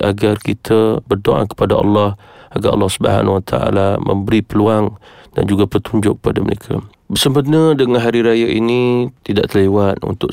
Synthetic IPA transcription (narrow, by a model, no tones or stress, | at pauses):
ʔa̰ɡarkit̪ʰəbərdoʔa̰kə̥padaʔɑ̰lːɔh | aɡaʔɑ̰lːɑhsubəha̰nwat̪ʰa̰a̰lamə̰mbəɾipəluaŋda̰nd͡ʒuɡapət̪uɲd͡ʒʊ̰ʔkːə̥padamə̰ɾekʰa̰ | bərsəmpənədəŋanɦaɾiɾajəʔinit̪idaʔt̪əlewat̪̚ṵnt̪ʊʔ